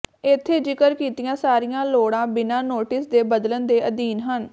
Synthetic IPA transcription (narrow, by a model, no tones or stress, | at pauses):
ɪt̪ʰːeːd͡ʒɪkəɾkiːt̪ɪjãːsaːɾɪjãːloːɽãːbɪnãːnoːʈɪsd̪eːbəd̪lənd̪eːʔəd̪iːnɦən